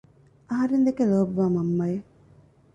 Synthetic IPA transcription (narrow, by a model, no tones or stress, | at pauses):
ʔɐɦɐɾend̪ekeloːbuʋaːmɐmːɐje